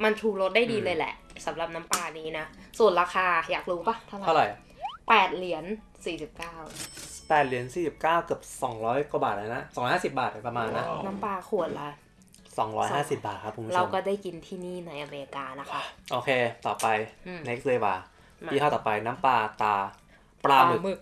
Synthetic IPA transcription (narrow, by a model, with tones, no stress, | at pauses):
ma˧nt͡ɕʰuː˧lo˦˥t̪̚da˥˩jdiː˧lɤː˧jlɛ̰˨˩ʔsa˩˦mɾa˨˩p̚na˦˥mpaː˧niː˦˥na˦˥su˨˩ənɾaː˧xʰaː˧jaː˨˩k̚ɾuː˦˥pa˧˩t̪ʰa˥˩˨aa˥˩˨ɾa˨˩j | pɛː˨˩t̪̚li˩˦ən | siː˨˩si˨˩p̚kaː˥˩wpɛː˨˩t̪̚li˨˩˦ənsiː˨˩si˨˩p̚kaː˥˩wkɯ˨˩əp̚sɔ˩˦ŋɾɔː˦˥jko˧baː˨˩t̚a˧˩na˦˥ʔsɔː˨˦ɾɔː˦˥haː˥˩si˨˩p̚baː˨˩t̪̚pɾa˧maː˧nːa˦˥na˦˥mpaː˧kʰu˨˩ət̪̚la˧ | sɔː˨˩˦ŋɾɔ̰ː˦˥jɦaː˥˩si˨˩p̚baː˨˩t̪̚kʰa˦˥pʰːo˨˦mʰ˦ɾa˧wkɔː˥˩daː˥˩jki˧nt̪ʰiː˥˩niː˥˩na˧˥jʔaː˧˩me˧ɾi˧kaː˧na˦˥ka˦˩ʔoː˧kʰeː˧t̪ɔː˨˩pːa˧jne˦˥k̚lɤː˧jwaː˨˩ | iː˧˩kʰa˥˩t̪ɔː˨˩pa˧jna˦˥mpaː˧t̪aː˧ | pɾaː˧ɯ˨˩mɯ˨˩k̚